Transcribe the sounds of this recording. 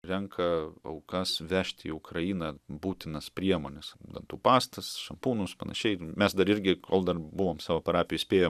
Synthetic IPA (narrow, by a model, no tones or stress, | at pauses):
ɾʲɛŋkʰɐɐʊkɐsʋʲæːʃʲt̪ʲiʊkɾɐjiːnɐbuːt̪ʲɪnɐspʲɾʲiɛmoːnʲɛsd̪ɐ̰nt̪uːpɑːst̪ɐsʃɐmpuːnʊspɐnɐ̰ʃʲɛɪmʲɛsd̪ɐɾɪɾʲɡʲɪkʰoːlˠd̪ɐrbʊʋoːmsɑːʋoːpɐɾɑːpʲɪjʊsʲpʲeːjoː